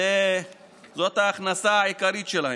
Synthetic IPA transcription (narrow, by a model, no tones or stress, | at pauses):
e | zot̪aːxnɐsaːjkɐɾit͡ʃelɐ